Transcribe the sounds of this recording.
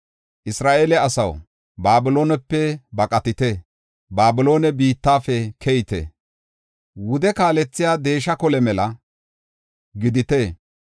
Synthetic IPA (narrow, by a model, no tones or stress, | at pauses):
ʔɪsɾaːʔeːlɛɐsɐw | baːbɪlo̞ːnɛpːɛbɐkʼɐt̪ɪt̪ɛ | baːbɪlo̞ːnɛbiːt̪ːaːfɛkʰɛjɪt̪ɛ̰ | wʊd̪ɛkaːlɛt͡sːɪjaːd̪e̞ːʃɐkɔlɛmɛlɐ | ɡɪd̪ɪt̪eː